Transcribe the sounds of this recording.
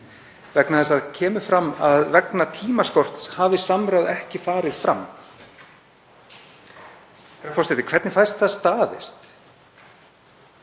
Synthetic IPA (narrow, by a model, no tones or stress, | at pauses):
vɛknaθɛsːaðcʰɛːmʏfɾamːaðvɛknat̪ʰiːmaskɔr̥t̪shaːvɪsamɾawðɛhcɪfaːɾɪðfɾamː | θɛɾakfɔsɛt̪ɪkʰvɛɾt̪nɪfajst̪θaðst̪aːðɪ̰st̪